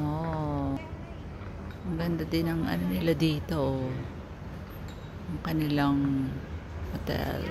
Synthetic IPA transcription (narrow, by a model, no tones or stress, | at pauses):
ʔoʔ | mɐɡɐnd̪ad̪ɪnɐŋʔɐ̰nonɪlad̪iːt̪o̞ʔ | ʔɐŋkɐnɪlaŋ | hot̪ɛ̰l